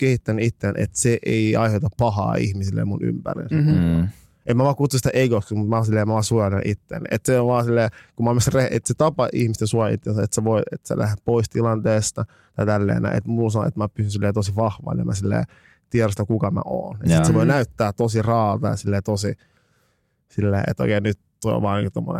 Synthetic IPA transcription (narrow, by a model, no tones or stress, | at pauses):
kehit̪ːænyit̪ːenḛt̪seʔeiɑiheut̪ɑppɑhɑ̰ːḭhmisilːḛmmuny̰mpæ̰rḭns | emmæʋɑːkut̪sːusi̥t̪æʔeɡokskmut̪mæɑːsilːeːmæʋɑːsuɑlenʔit̪ːḛn̰et̪seoʋʋɑːsilːeːkummæmysreʔḛt̪set̪ɑpɑʔihmist̪esuojɑḭt̪ːensæet̪seʋoiet̪sḛlæ̰hepoist̪ilɑnt̪eːst̪ɑ | t̪ɑit̪ælːḛːnæ̰ḛt̪mulsɑno̰ḛt̪mæpysynsilːeːt̪osiʋɑhʋɑ̰lːḛmæsilːḛː | t̪iɛrosit̪ækukɑmæ̰ʔo̰ːnḛtsiseʋoinæyt̪ːæːt̪osirɑːʋḛːsilːeːt̪osi | silːḛːḛt̪o̰ikeːnyt̪t̪o̰iʋɑːnḭŋkut̪omːo̰nḛ